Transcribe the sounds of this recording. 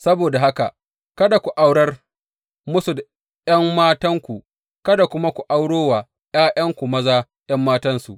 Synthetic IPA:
sɐ˦boː˨da˨ha˦ka˨ | kɐ˦da˨kʷu˨ʔa˦wɽɐ˦r | mʊ˦su˨da˨ | jɐ˦mmaː˦tɐ˦ŋkʷu˨ | kɐ˦da˨kʷʊ˦ma˦kʷu˨ʔa˦wɽoː˦waː˨ | j̰aː˦jʔɐ˦ŋkʷu˨mɐ˦zaː˦ | j̰ɐ˦mːaː˦tɐ˦nsu˨ʔ

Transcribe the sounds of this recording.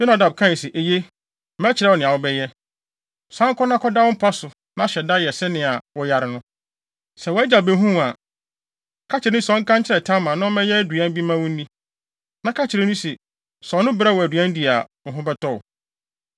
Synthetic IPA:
b̥ɛ˦na˨da˨b̚kʰã˦˨sɛ˨ʔe˨je˦ | mɛ˦t͡ɕʰɪ˨ɾɛ˦wɔ˨nɪ̃˨a˨wʊ˦bɛ˦jɛ˦˨ | sã˦ŋ˦kɔ˦nã˦kʰɔ˦da˦wʊ˦m̩˦pʰa˦sʊ˨ | nã˦ɕɛ˨da˦jɛ˨sɛ˦nɪ̃˨a˨wɔ˨ja˨ɾɪ˨nʊ̃˦ | sɛ˨wɔ˨˦æ˦d͡ʑa˨bɛ˦ɦũ˦˨a˨ | kʰa˦t͡ɕʰɪ˨ɾe˦nʊ̃˦sɔ̃˨˦ŋ̩˦kã˦ɲt͡ɕʰɪ˦ɾɛ˨tʰã˦mã˨nã˦mɛ̃˦jɛ˦du˨ã˦n˦bi˦mã˦wũ˦n˦nĩ˦ | nã˦kʰa˦t͡ɕʰɪ˨ɾe˦nũ˦sɛ˨ | sɔ˨˦nʊ̃˦bɾa˦wɔ˨æ˨dɥã˦n˦di˨a˨ɦʊ̃˦bɛ˦tʰɔ̰˦˨

